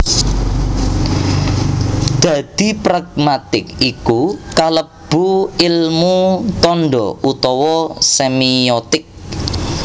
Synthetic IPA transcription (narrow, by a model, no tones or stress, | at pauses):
d̪̥ä̤d̪̥i̤pɾaɡ̥̚mat̪ɪkikukalə | b̥uɪlmut̪ɔnɖɔ̰ut̪ɔwɔsemiɔt̪ɪk̚